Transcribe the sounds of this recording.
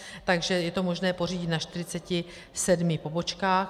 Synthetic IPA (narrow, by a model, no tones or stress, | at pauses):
t̪aɡʒɛjɛt̪o̞mo̞ʒnɛːpo̞riːɟɪt̪naʃt̪ɪɾɪt͡sɛcɪ | sɛdmɪpo̞bo̞t͡ʃkaːx